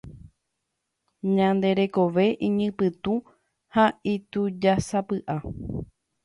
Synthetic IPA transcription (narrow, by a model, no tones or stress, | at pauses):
ɲãnd̪e̞ɾe̞ko̞ʋe̞ʔĩɲɨ̃pɨt̪ũ | hait̪ud͡ʒasapɨʔa